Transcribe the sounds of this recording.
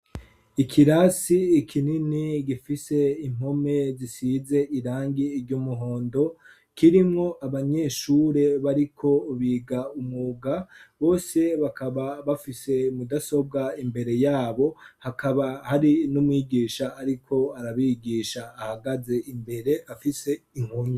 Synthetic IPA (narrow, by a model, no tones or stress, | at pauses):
ikʰiɾasiːkʰininiɡifise̞im̥ho̞me̞zisize̞ʔiɾaːŋɡiːɾɟumuɦo̞ːndo̞ | kiɾimŋo̞ʔaβaɲe̞ːʃuːɾe̞βaɾikʰo̞βiːɡaumuɡaβo̞ːse̞βakaβaβafise̞mudaso̞b̚ɡaimbe̞ɾe̞jaːβo̞hakaβahaɾinumwiːɡiːʃaːɾikʰo̞aɾaβiɡiːʃaːhaɡaze̞ʔimbe̞ɾe̞afise̞iŋ̥hoɲe